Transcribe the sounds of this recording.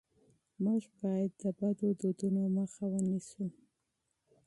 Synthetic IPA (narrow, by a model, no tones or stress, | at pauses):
muʒbɑjad̪ːəbad̪od̪od̪unoməxawənisu